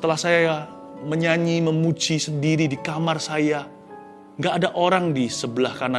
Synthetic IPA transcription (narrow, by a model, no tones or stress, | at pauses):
sət̪əlahsaja | məɲaɲiməmud͡ʒisəndiɾidikamarsaja | ŋɡaːdaʔoɾaŋdisəbəlahkana